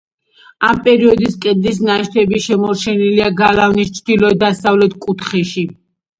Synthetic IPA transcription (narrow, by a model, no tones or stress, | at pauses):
ampʼɛɾiɔd̪iskʼɛd̪lis̬naʃt̪ʰɛbiʃɛmɔɾt͡ʃʰɛniliaɡalavnist͡ʃʰd̪̥ilɔɛd̪asavlɛt̪ʰkʼut̪ʰχɛʃi